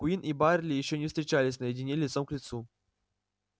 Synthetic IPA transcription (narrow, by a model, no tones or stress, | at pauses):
uinʔibarʲlʲijiɕːɔnʲɛfst̪ɾʲit͡ɕalʲisʲnɐjedʲinʲelʲit̪sɔmklʲit̪su